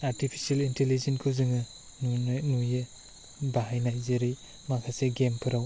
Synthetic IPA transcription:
aɾtipʰi̥salintelizenkʰɯzɯŋɯ | nnuje | baɦajnajzeɾij | makʰaseɡempʰɯɾaw

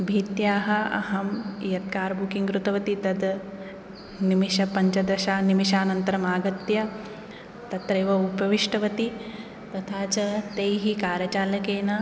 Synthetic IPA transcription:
bʱiːt̪jaːɦɐɐ̰ɦɐmjɐt̪̚kaːɾbukiŋɡɾut̪ɐʋɐt̪it̪ɐd̪ | nimiʃɐpɐɲt͡ʃɐd̪ɐʃaːnimiʃaːnɐnt̪ɐɾɐmaːɡɐt̪jɐ | t̪ɐt̪ɾɐjːʋɐupɐʋiʂʈɐʋɐt̪i | t̪ɐt̪ʰaːt͡ʃɐt̪ejɦikaːɾjɐt͡ʃaːlɐkeːnɐ

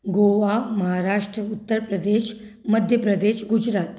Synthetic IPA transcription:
ɡoʋaməɦaɾaʂʈɾəut̪ːəɾpɾəd̪eʃ | məd̪ʱjəpɾəd̪eɕɡud͡ʑɾat̪

